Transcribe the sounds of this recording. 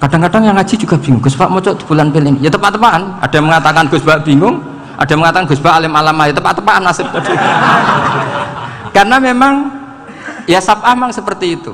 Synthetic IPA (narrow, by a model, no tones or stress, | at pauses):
kaɖ̥a̤ŋkaɖa̤ŋjaŋḁd͡ʒ̥i̤d͡ʒuɡ̥abiŋʊŋɡ̥ʊspaʔmɔt͡ʃɔʔd̪u̥b̥ulanpelinijat̪əpaʔt̪əpaʔanʔa̰d̥aməŋat̪akanɡ̥ʊ̤sb̥aʔb̥iŋʊŋ | ʔa̰d̥aməŋat̪akanɡ̥ʊsb̥aʔalɪmalamajat̪əpaʔt̪əpaʔanːasɪp̚t̪ | karənamemaŋ | jasapʔahmaŋsəpərt̪iːt̪u